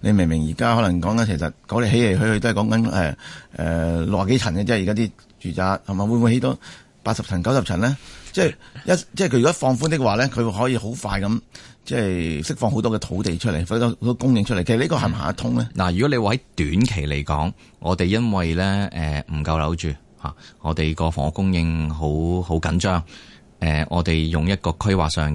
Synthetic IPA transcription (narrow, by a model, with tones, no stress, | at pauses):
ne˧mɪ˨˩ŋmɪ˨˩ŋjiː˨˩kaː˥hɔː˨˥lɐ˨˩ŋkɔː˨˥ŋkɐ˨˦nkʰe˨˩jsɐ̰˨t̚kɔː˨˥le˨˧ɦe˨˥jle˨˩jɦɵ˧ɥhɵ˧t̪o˥hjkɔː˨˥ŋkɐ˨˦nɛ̰ː˨ʔɛ̰ː˨loː˨˧waː˨˩ke˥jt͡sʰɐ˨˩nkɛ˧t͡sɛː˥ji˨kaː˥t̪iː˥ | t͡ʃyː˨t͡saː˧k̚hɐ˨˩maː˨˩wuː˨˧nmu˨˧jhe˨˥t̪ɔ˨˥ | paː˧t̚sɐ˨p̚t͡sʰɐ˨˩nkɐ˨˥wsɐ˨p̚t͡ʃʰɐ˨˩nlɛː˥t͡sɛː˥˩jjɐ˥tt͡sɛː˥˩jkʰɵ˧ɥːkɔ˥fɔː˧ŋfu˥nt̪ɪ˥k̚waː˨lɛː˥kʰɵ˨˧ɦɔː˨˥jiː˧ho˨˥wfaː˧jkɐ˨˦mt͡sɛː˥˩jsɪ˥k̚fɔː˧ŋho˨˥wt̪ɔː˥kɛː˧t̪ʰo˨˥wt̪e˨jt͡ʃʰɵ˥t̚le˨˩˨t̪ɔ˥o˨˦˥t̪ɔː˥kʊ˥ŋjɪ˧ŋt͡ʃ̚ʰlkʰːsli˥kɔː˧hɐ˨m˨ɦa̰ː˨˩ɐ˥t̪ʰʊ˥ŋlɛː˥naː˨˩jyː˨˩kɔ˨˥le˧wa˨˧hɐ˨˦˥jt̪yː˨˥nkʰe˨˩jle˨˩jkɔ̰ː˨˥ŋ | ʔɔː˨˧t̪e˨jːɐ˥nwɐ˨jlɛː˥ʔɛː˨m̩˨˩kɐ˧wlɐ˨˥wt͡ʃyː˨ | ha̰ː˨ŋɔː˨˧t̪e˨˩jkɔː˧fɔ̰˨˩ŋɔ˨kʊ˥ŋjɪ˧ŋɦo˨˥who˨˥wkɐ˨˥nt͡ʃœː˥ŋ | ʔɛː˨˩ŋʔɔː˨˧t̪e˨jjʊ˨ŋjɐ˥t̚kɔː˧kʰɵ˥wa̰ː˨k̚sœː˨˧ŋɛ